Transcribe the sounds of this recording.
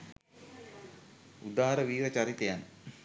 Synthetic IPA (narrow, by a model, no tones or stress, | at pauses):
ud̪aːɦaɾəʋiːʋət͡ʃaɾit̪ejanː